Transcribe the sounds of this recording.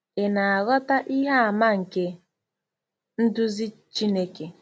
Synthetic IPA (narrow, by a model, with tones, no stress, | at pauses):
e˨na˨a˨ɣɔ˦ta˦ʔi˦ɦa˦a˨ma˦ŋ̩˨ke˦ | n̩˦dʊ˦zi˦t͡ʃi˦ne˦ke˨